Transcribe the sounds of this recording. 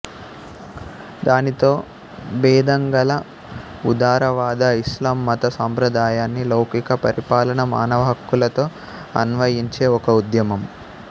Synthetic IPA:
d̪aːnit̪o̞ː | bɛːd̪ɐŋɡɐlɐ | ud̪aːɾɐʋaːd̪ɐislaːmːɐt̪ɐsaːmpɾɐd̪aːjaːnːilɐwkikɐpɐɾʔipaːlɐnɐma̰ːnɐʋɐɦɐkːulɐt̪o̞ː | ɐ̰nʋɐjiɲt͡ʃe̞ːɔkɐud̪jɐmɐm

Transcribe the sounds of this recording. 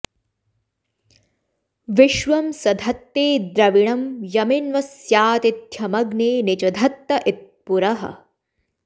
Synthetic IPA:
ʋiʃʋɐmsɐd̪ʱɐt̪ːeːd̪ɾɐʋiɳɐmjɐminʋɐsjaːt̪id̪ʱjɐmɐɡneːnit͡ʃɐd̪ʱɐt̪ːɐʔit̪̚puɾɐɦɐ̰

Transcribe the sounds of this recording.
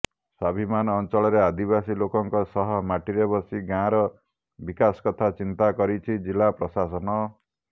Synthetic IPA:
sabʱimanːnt͡ʃɔɭɔɾead̪ibasilokɔŋkɔsɔɦɔmaʈiɾebɔsiɡãɾɔ | bikasɔ̥kɔt̪ʰat͡ʃint̪akɔɾit͡ʃʰid͡ʒilapɾɔsasɔnɔ

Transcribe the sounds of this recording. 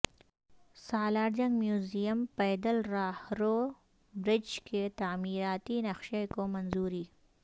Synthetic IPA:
saːlaːɾd͡ʒɐŋɡmjuːzijɐmpɐjd̪əlɾaːhɾo | bɾɪd͡ʒkʰet̪aːmiɾaːt̪inɐxʃekomɐnzuɾi

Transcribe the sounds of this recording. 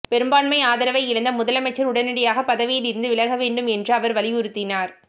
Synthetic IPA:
pɛɾɯmbaːɳmɐɪaːðɐɾɐʋɐɪɪɽɐnd̪ɐmʊðɐlɐmɐɪt͡ʃːɐɾʊɽɐnɪɽɐjaːɣɐpɐðɐʋɪjɪlɪɾɯnd̪ɯʋɪɭɐɣɐʋeːɳɖɯmɛndrɯɐʋɐɾʋɐlɪjʊɾɯt̪ːɪnaːɾ

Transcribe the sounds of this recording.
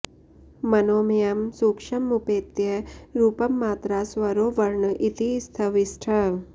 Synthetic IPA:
mɐnoːmijɐmsuːkʂɐmːupeːt̪jɐɾuːpɐmːaːt̪ɾaːsʋɐɾoːʋɐɾɳɐʔit̪ist̪ʰɐʋisʈʰɐ

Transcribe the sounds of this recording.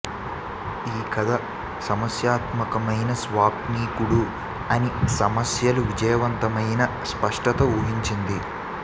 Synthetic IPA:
iːkɐd̪ʱɐ | sɐmɐsjaːt̪mɐkɐmɐjnɐsʋaːpniːkuɽu | ɐnisɐmɐsjɐluʋid͡ʒɐjɐʋɐnt̪ɐmɐjnɐ | spɐʂʈɐt̪ɐuːɦiɲt͡ʃind̪i

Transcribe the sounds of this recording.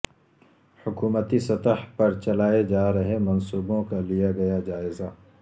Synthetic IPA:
hʊkuːmət̪isɐt̪əhpɐɾt͡ʃɐlaːed͡ʒaːɾɐɦemɐnsuːbõkalijaɡɐjad͡ʒaːɪzaː

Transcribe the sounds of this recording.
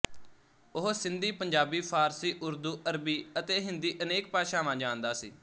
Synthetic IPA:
ʊɦsɪ̃nd̪iːpəɲd͡ʒaːbiːpʰaːɾsiːʔʊɾd̪uːʔəɾbiːət̪eːɦɪnd̪iːʔəneːk̚paːʃaːmãːd͡ʒãːnd̪aːsiː

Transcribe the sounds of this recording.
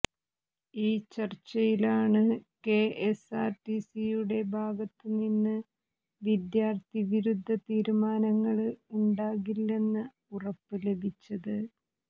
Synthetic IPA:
iːt͡ɕɐrt͡ɕːɐjilaːɳɨke̞ːʔesaːrʈisijuɽe̞bʱaːɡɐt̪ːɨninːɨ | ʋid̪jaːrt̪ʰiʋiɾud̪ʱːɐt̪iːɾumaːnɐŋːɐɭuɳɖaːɣilːe̞nːɨ | urɐpːɨle̞bʱit͡ɕːɐðɨ

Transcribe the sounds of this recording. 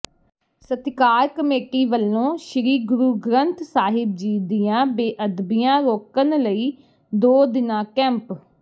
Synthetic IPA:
sət̪kaːɾkəmeːʈiːʋəlːõːʃɪɾiːɡʊɾuːɡɾənt̪saːɦɪb̚d͡ʒiːd̪ɪjãːbeːʔəd̪bɪjãːɾoːkənləiː | d̪oːd̪ɪnãːkɛ̃ːmp

